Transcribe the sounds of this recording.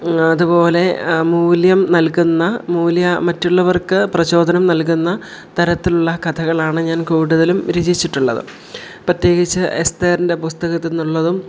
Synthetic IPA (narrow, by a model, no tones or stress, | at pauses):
ɐðupo̞ːle̞muːljɐmnɐlkunːɐmuːljɐmɐtːuɭːɐʋɐrkɨprɐɕo̞ːd̪ʱɐnɐmnɐlk̬unːɐ | t̪ɐɾɐt̪ːiluɭːɐkɐt̪ʰɐɣɐɭaːɳɨɲaːnkuːɽuðɐlumɾid͡ʑit͡ɕːiʈːuɭːɐ̰ðɨ̰ | prɐt̪je̞ːɡit͡ɕːɨʔest̪eːɾinde̞pust̪ɐɣɐt̪ːinːuɭːɐðum